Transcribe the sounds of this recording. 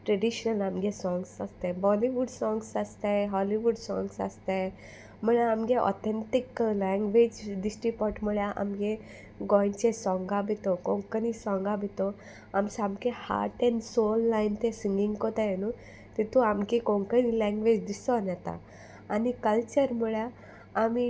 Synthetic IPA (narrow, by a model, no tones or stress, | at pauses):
ʈɾəɖiɕnəlamɡẽsɔ̃ŋɡsast̪ẽbɔliʋuɖsɔ̃ŋɡsast̪aɦɔliʋuɖsɔ̰̃ŋɡsa̰st̪ẽj | məɭaamɡeʔɔ̰t̪ʰẽnt̪iklɛ̃ŋɡʋed͡ʑd̪isʈɾipɔʈməɭjaʔa̰mɡẽ | ɡɔjnt͡ɕesɔ̃ŋɡabʱit̪okɔ̃ŋkənisɔ̃ŋɡabʱit̪ɔ | amsãmkeha̰ʈɛnsolːajnt̪esiŋɡĩŋɡkɔt̪ajenu | t̪it̪uamkekɔ̃ŋkənilɛ̃ŋɡʋed͡ʑd̪isɔnat̪a̰ | anikəlt͡ɕəɾmuɭjaː | mi